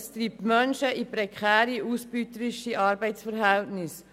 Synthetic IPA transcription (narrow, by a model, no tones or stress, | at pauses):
st̪ɾiːp̚t̪mœnʃəʔipɾɛkʰχæːɾiʔusb̥ytəɾiʃiʔɑːɾbɛɪtsfəɾɦɛltnɪs